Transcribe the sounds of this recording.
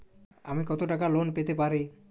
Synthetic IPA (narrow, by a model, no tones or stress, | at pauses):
amikɔt̪oʈakalonpet̪ep̬aɾi